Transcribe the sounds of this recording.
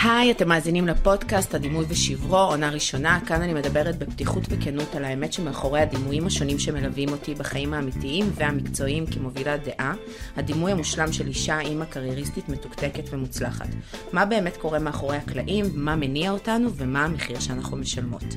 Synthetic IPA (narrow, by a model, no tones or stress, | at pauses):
hajate̞mːaːzinimlepo̞dkasthadimujveʃivʁo̞onaʁiʃo̞nakananime̞dabeʁet̚beptiχutvekenutalaemetʃemeaχo̞ʁejhadimujimhaʃo̞nimʃe̞me̞lavimo̞tibaχaimaːmitiimveamikt͡so̞imkemo̞vilade̞ʔa | hadimujamuʃlamʃe̞liʃaimakaʁjeʁistitme̞tu̥kte̞ketve̞mut͡slaχa̰tmabe̞ːme̞tko̞ʁe̞meaχo̞ʁehakla̰ʔimmame̞niaotanuve̞maːmeχiʁʃeanaχume̞ʃalmo̞̰t